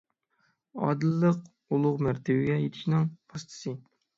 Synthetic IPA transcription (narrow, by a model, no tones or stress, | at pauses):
ɑ̰d̪ɨlˠːəq | ulˠʊʁmæɾt̪ʰɪwɪɡʲɛjet̪ʰɪ̥ʃnɪŋpʰɑst̪ʰɨ̥sɨ